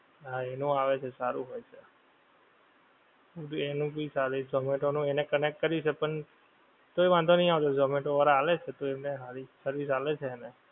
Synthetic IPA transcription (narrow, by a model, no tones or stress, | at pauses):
aenũaʋet͡ʃʰesaɾũɦojt͡ʃʰe | ud̪enũbisaɾid͡ʒɔmẽʈonũenekənek̚ʈ̚kəɾiut͡ʃʰepəɳ | t̪oiʋãnd̪ʱonəɦĩaʋt̪od͡ʒɔmẽʈoʋaɾaːlet͡ʃʰet̪oeneɦaɾisəɾʋis̬alet͡ʃʰeːne